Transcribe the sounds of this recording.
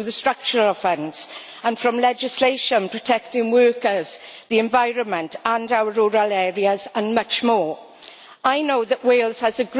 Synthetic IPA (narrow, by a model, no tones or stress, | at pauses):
ðəstɹ̥ʌk̚t͡ʃəɹəlfə̃ns | ə̃nfɹə̃mlɛd͡ʒɪsleɪʃə̃npʰɹ̥ətʰɛk̚tɪ̃ŋwɜˑkəzðiɛ̃ɱvaɪɹə̃nmə̃ntʰə̃ndaʊəɹuːɹəlɛːɹiəzə̃nmʌt͡ʃmɔː | aɪnoʊðəʔweɪlˠz̥əzəɡ